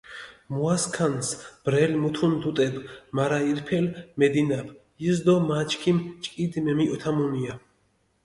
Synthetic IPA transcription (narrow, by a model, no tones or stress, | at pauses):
muaskʰansb̥ɾɛlmut̪ʰund̪ut̪ʼɛbmaɾaiɾpʰɛlmɛd̪inapʰ | izd̪ɔmat͡ʃʰkʰimt͡ʃʼkʼid̪mɛmiɔt̪ʰamunia